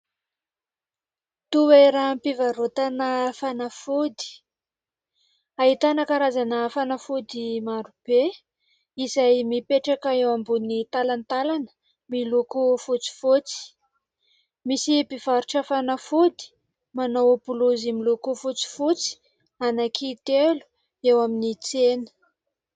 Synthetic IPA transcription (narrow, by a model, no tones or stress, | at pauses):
t̪uweɾampivaɾot̪anəfanafud̪i̥ | aɦit̪anakaɾazanəːfanafud̪imaɾub̥e | izajmipeʈ͡ʂakaewambunit̪alant̪alanə | milokofut͡si̥fot͡si̥ | misipiv̥aɾuʈ͡ʂafanafud̪i̥ | manoopulozimilokofut͡si̥fut͡si̥ | anakʰit̪elu̥ | ewaminit͡senə̥